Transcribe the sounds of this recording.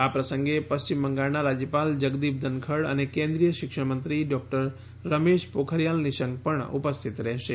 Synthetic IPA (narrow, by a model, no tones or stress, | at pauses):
apɾəsəŋɡepəst͡ʃimːəŋɡaɭnaɾad͡ʒjəpald͡ʒəɡd̪ip̚d̪ʱənkʰəɽə̰nekẽnd̪ɾijəʃɪkʃəmənt̪ɾiɖɔk̚ʈəɾː | əmeʃpokʰəɾjalniʃəŋɡ̚pəɳṵpəst̪ʰit̪ɾɛɦʃe